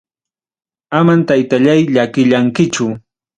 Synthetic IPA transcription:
amant̪ajt̪aʎajʎakɪʎaŋkɪt͡ʃʊ

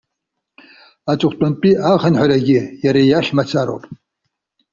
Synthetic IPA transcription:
at͡ʃʷʼʊχʰʷtʼanpʼiaʁanħʷaraɡʲɪjaɾajaχʲmat͡sʰaɾo̰pʼ

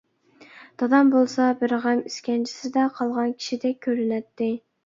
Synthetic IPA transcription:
d̪̥ɑd̪ɑmbolˠsɑbɪɾʁɑmiskʲɛnt͡ʃʰi̥sɪd̪ɛqʰɑlˠʁɑnkʲʰi̥ʃid̪ɛk̚ʲʰːøɾynɛt̪ːɪ

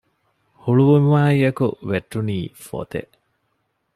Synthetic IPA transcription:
huɭuʋumuʋaːiɐkuʋeʈːuniːfo̰t̪ḛʔ

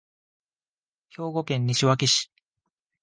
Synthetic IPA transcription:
ço̞ːɡo̞kẽ̞ɲ̟ːiɕiβakʲiɕi̥

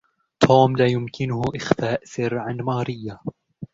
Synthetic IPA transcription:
t̪ʰoːmlaːjʊmkɪnʊhʔɪxfaːʔsɪɾʕanmɑːɾɪjːa

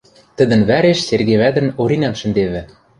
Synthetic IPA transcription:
t̪ə̆d̪ə̆nβæɾeʃserɣeβæd̪ɘ̆noɾinɑmʃɘ̆nd̪eβɘ̆

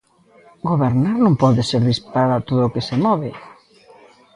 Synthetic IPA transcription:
ɡoβeɾnaɾnõmpɔðeseɾðispaɾaðat̪oðoːkesemɔβɪ

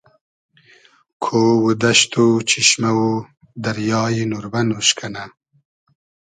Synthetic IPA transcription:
kʰowud̪aʃt̪ut͡ʃiʃmawu | d̪ɐɾjɑːjinuɾbanuʃkʰana

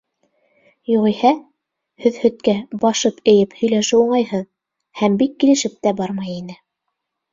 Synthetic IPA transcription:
juʁihæ | hɵðhɵ̆t̪̚kæbɑʃɤpɘ̆jɘphɵ̆jlæʃɘuɴɑjhɤn | hæmbikːilɘ̆ʃɘp̚t̪æbɑɾmɤjinɘ

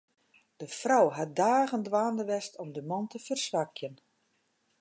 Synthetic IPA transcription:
d̥əfrɔwɦadaːɣəndʋaːndəʋɛstʰɔmdəmɑntəfərsʋakjən

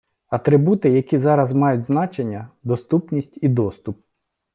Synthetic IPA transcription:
ɐt̪ɾɪbut̪ɪjɐkʲizɑɾɐzmɑjʊtʲznɑt͡ʃe̞nʲːɐd̪ɔst̪upnʲisʲtʲid̪ɔst̪ʊp̚

